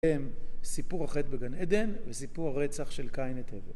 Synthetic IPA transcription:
emsipuʁaχet̪̚beɡaned̪e̞nvesipuʁaʁet͡saχʃe̞lkajnet̪ʰeve

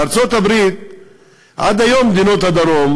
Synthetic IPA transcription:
aɾt͡so̞t̪abɾit̪̚ | ʔa̰d̪ajo̞mːd̪ino̞t̪had̪aɾo̞m

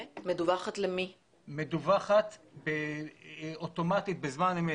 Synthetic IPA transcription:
med̪uvaχat̪lemi | med̪uvaχat̪be | ot̪o̞mat̪it̪̚bezmanim

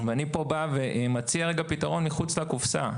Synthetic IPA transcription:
veanipo̞baveʔmat͡siaʁeɡapitaʁo̞nmiχut͡slakufsa̰

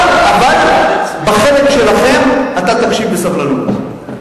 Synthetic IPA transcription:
avalbaχelekʃelaχe̞mat̪at̪amʃikbesavlanut̪

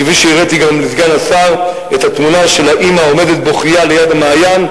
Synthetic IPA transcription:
eviʃeiʁet̪iɡamlizɡanasaʁ | ethat̪munaʃe̞laʔimao̞me̞d̪et̪̚boχiale̞jadamaːjan

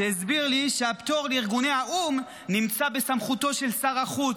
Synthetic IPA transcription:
ezbiʁliʃeapt̪o̞ʁliʁɡune̞haʔum | nimt͡sabe̞samχut̪o̞ʃe̞lsaʁaχut͡s

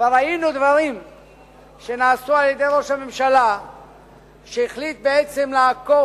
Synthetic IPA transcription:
avalainud̪vaʁim | ʃenaːsualjed̪e̞jɾo̞ʃhamemʃala | ʃeiχlit̪̚beesemleako

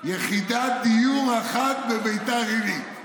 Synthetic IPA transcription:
jeχid̪ad̪ijuʁaχat̪bebejt̪aʁiɾi

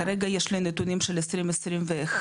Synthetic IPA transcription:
aɾeɡajeʃlenet̪unimʃelesɾimesɾimveːx

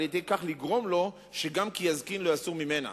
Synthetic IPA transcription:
ljedejkaχliɡʁo̞mlo̞ | ʃe̞ɡamkijazkinlojasuʁmime̞na̰

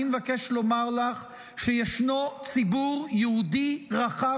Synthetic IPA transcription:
imevakeʃlo̞maʁlaχ | ʃejeʃnot͡sibuʁjɛud̪iʁaχa

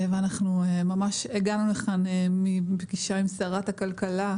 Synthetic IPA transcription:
veanaχnumamaʃeɡanuleχanemibɡiʃaimsaʁat̪hakalkala

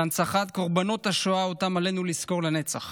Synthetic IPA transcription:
ant͡saχat̪̚ko̞ʁbano̞taʃoaot̪amalenulisko̞ʁlene̞t͡saχ

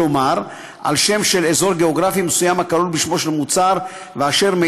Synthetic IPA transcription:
omaʁ | a̰lʃe̞mʃe̞lezo̞ʁɡeoɡʁafimesujamakalulbiʃmo̞ʃelmut͡saʁ | veaʃe̞ʁme

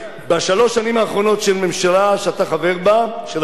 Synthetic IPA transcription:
baʃalo̞ʃanimaːχʁo̞no̞tʃelme̞mʃalaʃeataχave̞ʁbaʃel

